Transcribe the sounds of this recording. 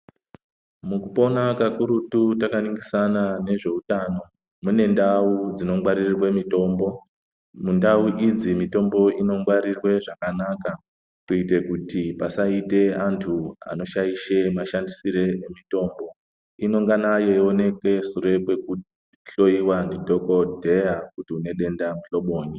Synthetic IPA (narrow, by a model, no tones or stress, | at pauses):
mukupo̞nakakuɾututakaniŋɡisanane̞ʐe̞utano̞ | mune̞ndaud͡zino̞mwaɾirrwe̞mito̞ːmbo̞ | mundauʔid͡zimito̞mbo̞ino̞mɡwaɾirwe̞ʐakanaka | kuite̞kutipasaite̞antʰua̰no̞ʃajiʃe̞maʃandisiɾe̞emito̞ːmbo̞ | ino̞ŋɡanaje̞ione̞ke̞suɾe̞kwe̞ku | ɬo̞iwandidʱo̞kodʱe̞ak̚utiune̞ɗe̞ndamuɬo̞ɓoːni